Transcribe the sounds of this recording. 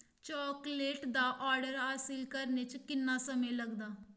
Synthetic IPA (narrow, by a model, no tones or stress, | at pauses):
t͡ʃɔːkleːʈd̪aːʔaːɾɖəɾɦaːsɪlkəɾneːt͡ʃkɪnːaːsəmẽːləɡd̪aː